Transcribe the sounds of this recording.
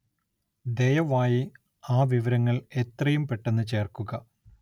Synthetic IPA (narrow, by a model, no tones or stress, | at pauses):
d̪e̞jɐʋaːji | aːʋiʋɐɾɐŋːɐɭe̞t̪rɐjumpe̞ʈːenːɨt͡ɕe̞ːrkuɣɐ